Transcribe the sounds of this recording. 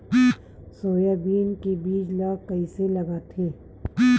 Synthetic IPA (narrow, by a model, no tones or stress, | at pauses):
soːjabiːnkebiːt͡ʃlaːkəiselɐɡaːt̪ʰeː